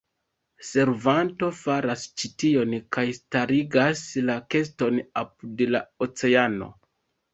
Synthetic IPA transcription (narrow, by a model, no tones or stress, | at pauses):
se̞ɾvanto̞faɾast͡ʃitio̞nkajstaɾiɡaslake̞sto̞napudelaot͡se̞ano̞̰